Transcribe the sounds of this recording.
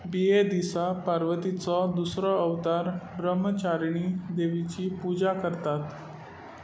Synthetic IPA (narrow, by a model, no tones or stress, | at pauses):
bied̪isapaɾʋət̪it͡sɔd̪usɾɔəʋt̪aɾbɾəmət͡ɕaɾɳid̪eʋit͡ɕiːpud͡ʑakəɾt̪at̪